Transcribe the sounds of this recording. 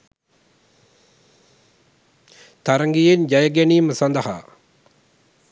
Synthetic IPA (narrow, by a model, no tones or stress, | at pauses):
t̪aɾəŋɡijend͡ʒajəɡæniːməsand̪əɦa̰ː